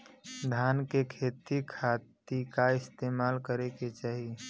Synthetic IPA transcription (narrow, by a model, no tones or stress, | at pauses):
d̪ʱaːnkekʰeːt̪ikʰaːt̪ikaɪst̪eːmaːlkəɾeket͡ʃaːɦi